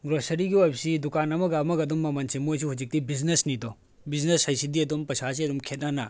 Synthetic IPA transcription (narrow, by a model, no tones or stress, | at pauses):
ɡɾosɐɾiɡiojbsidukanɐmɐɡɐːmɐɡɐdumːɐmɐnsimojs̬uɦud͡ʒik̚tibiznesnitɔ | bizneshɐjsidiɐdumpɐsas̬iɐdumkʰet̚nana